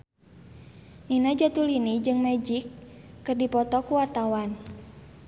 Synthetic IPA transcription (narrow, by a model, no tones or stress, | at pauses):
ninad͡ʒat̪ulinid͡ʒɨŋmɛd͡ʒikːɨrdipɔt̪ɔkuwart̪awan